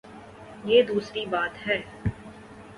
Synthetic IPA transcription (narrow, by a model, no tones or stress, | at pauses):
jeːd̪uːsɾibaːt̪ɦɛː